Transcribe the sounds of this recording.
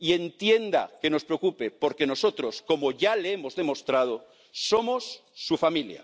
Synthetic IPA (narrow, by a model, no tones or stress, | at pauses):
ie̞nt̪je̞nd̪a̰ke̞no̞spɾeokupepo̞ɾke̞no̞so̞t̪ɾo̞sko̞moʝaleemozðe̞mo̞st̪ɾað̞o | so̞mo̞sːufamilja̰